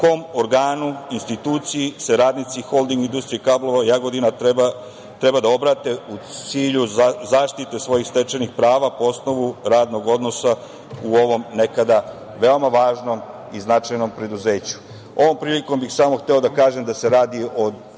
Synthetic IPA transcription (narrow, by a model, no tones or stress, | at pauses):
uko̞moɾɡaːnuinst̪it̪uːt̪sijiseɾaːd̪nit̪sixo̞lˠd̪iŋɡind̪ust̪ɾiekablo̞ʋajaɡod̪inaa | t̪ɾe̞bad̪ao̞bɾat̪e̞usiːʎuzaːʃt̪it̪e̞sʋo̞jixst̪e̞t͡ʃenixpɾaːʋapo̞o̞sno̞ʋuɾaːd̪no̞ɡo̞d̪no̞sa | uo̞ʋo̞mne̞kad̪a | ʋe̞o̞maʋaːʒno̞m | iznat͡ʃajno̞mpɾe̞d̪uze̞ːt͡ɕu̥ | oʋo̞mpɾiːliko̞mbixsaːmoxt̪eo̞d̪akaːʒemd̪ase̞ɾaːd̪io̞